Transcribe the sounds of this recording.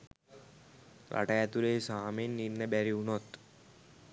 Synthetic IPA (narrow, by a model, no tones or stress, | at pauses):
ɾa̰ʈəjæt̪uɾeːsaːmenːinːəbæɾiunot̪